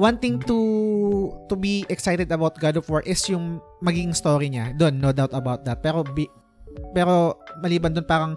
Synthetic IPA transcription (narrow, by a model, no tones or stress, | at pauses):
wɐ̃nt̪ɪŋt̪u | t̪ubiʔɛksajt̪ɛd̪ɐbawt̪̚ɡad̪ɔfɔɹʔɪsjʊŋ | mɐɡiːɡɪ̃ŋst̪oːɾiɲad̪o̞nːod̪awt̪ɐbawt̪̚d̪ɐt̪̚pɛːɾobi | pɛːɾo̞mɐliːbɐnd̪onpaːɾɐŋ